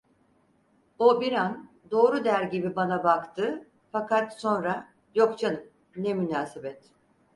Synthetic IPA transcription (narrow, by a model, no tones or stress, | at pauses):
obiɾan | d̪o̞ːɾud̪æɾɟibibanabakt̪ʰɯ | fakat̪so̞nɾa | jo̞kt͡ʃʰanɯ | nɛmynaːsebɛt̪